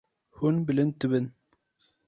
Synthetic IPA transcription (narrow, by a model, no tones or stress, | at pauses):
hunbɨlɨn̚t̪ɨbɨn